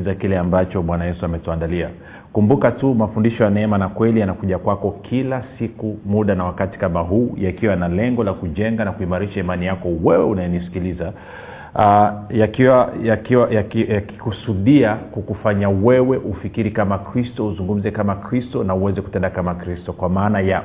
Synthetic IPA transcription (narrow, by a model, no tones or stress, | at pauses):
zakilɛambat͡ʃɔɓwanajɛsuamɛtuandalia | kumbukatumafundiʃɔjanɛɛmanakwɛlijanakuʄakwakɔkʰilasikumuɗanawakati̥kamaɦuːjakiwanalɛŋɡɔlakuʄɛŋɡanakuimaɾiʃaimanijakɔwɛwɛunajɛnisi̥kiliza | jakiwaakiwajakjaki̥kusuɗiakukufaɲawɛwɛʔufikiɾikamakɾistɔuzuŋɡum̩zɛkamakɾistɔnauwɛzɛku̥tɛndakamakɾistɔkwamaːnaja